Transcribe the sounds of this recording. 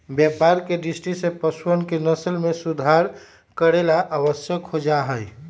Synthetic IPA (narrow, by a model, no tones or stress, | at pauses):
bjəpaɾkeɖisʈisepəswənkenəsəlmẽsud̪ʱaɾ | kəɾelaʔaʋəsjəkhod͡ʒaɦəj